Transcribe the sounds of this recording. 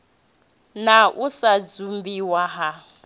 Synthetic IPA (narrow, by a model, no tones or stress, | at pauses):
naʔusad͡zumbiwaɦa